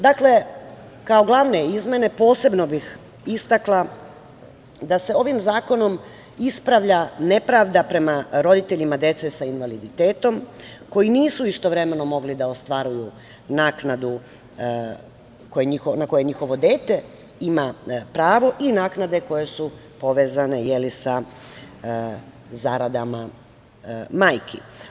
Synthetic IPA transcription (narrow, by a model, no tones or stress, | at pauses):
d̪akle̞ | kao̞ɡlˠaʋne̞izme̞ne̞po̞ːse̞bno̞bix | ist̪aklˠa | d̪ase̞o̞ʋimzaːko̞no̞m | ispɾaʋʎane̞pɾaʋd̪apɾe̞maɾo̞d̪it̪e̞ʎimad̪e̞t̪sesainʋalid̪it̪e̞ːt̪o̞mko̞jiniːsuist̪o̞ʋɾe̞me̞no̞mo̞ɡlid̪aost̪ʋaɾuju | naːknad̪u | kojeɲixonako̞je̞ɲixo̞ʋo̞d̪e̞ːt̪e̞ | imapɾaːʋo̞ʔinaːknad̪e̞ko̞je̞su | po̞ʋe̞ːzane̞jelisa | zaɾad̪ama | maːjkʰi